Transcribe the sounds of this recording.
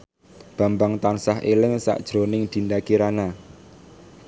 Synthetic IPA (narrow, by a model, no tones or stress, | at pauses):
b̥a̤mbaŋt̪ansaɦelɪŋsa̰ʔd̥ʒ̥ɾo̤nɪŋd̪̥i̤nd̪akiɾana